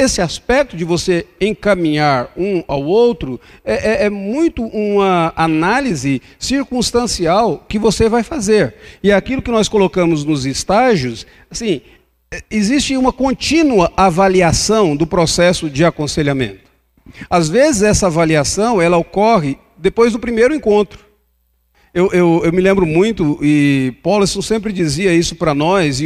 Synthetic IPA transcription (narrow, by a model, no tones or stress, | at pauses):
esɪaspɛk̚t̪ʊd͡ʒɪvoseẽkɐmĩɲaɾũawowt̪ɾʊɛʔɛɛmũj̃t̪ʊʔũmɐanalizɪ | siɾkũst̪ɐ̃siawkɪvosevajfazeɾɪakilʊkɪnɔskolokɐ̃mʊznʊzɪst̪aʒiʊs | asĩ | ɛɪzist͡ʃɪũmɐkõnt͡ʃĩnuɐʔavaliasɐ̃w̃d̪ʊpɾosɛsʊd͡ʒɪakõseʎamḛ̃nt̪ʊ̥ | azvezɪzɛsɐavaliasɐ̃w̃ɛlɐokɔɦɪ | d̪epojzd̪ʊpɾimejɾʊẽŋkõnt̪ɾʊ | ewʔewewmɪlẽmbɾʊmũj̃t̪ʊɪpawlsõsẽmpɾɪd͡ʒiziɐisʊpɾɐnɔzɪ